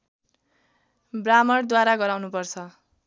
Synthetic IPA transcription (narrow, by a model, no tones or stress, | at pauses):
bramʌɽd̪waɾaɡʌɾawnupʌrt͡sʰʌ